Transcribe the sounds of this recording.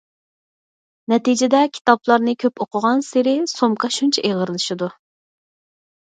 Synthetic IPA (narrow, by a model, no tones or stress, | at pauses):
nɛt̪id͡ʒɪd̪ɛkʲʰi̥t̪ɑplˠɑɾnɨkʲʰøpoqʊʁɑnsɪɾɪsomqʰɑʃunt͡ʃʰɛʔeʁəɾɨlˠɨʃɨd̪u